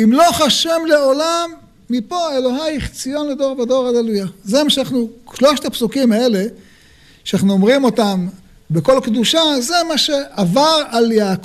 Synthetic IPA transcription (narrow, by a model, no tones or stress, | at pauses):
imlo̞χaʃemle̞olamː | ipoelo̞ɦajχt͡sijo̞nled̪o̞ʁved̪o̞ʁad̪alujazemaʃeanaχnuʃloʃt̪apsukimae̞le̞ | ʃanaχnuomʁimo̞t̪am | beko̞lkd̪uʃaze̞maʃe̞ʔavaʁaljaːk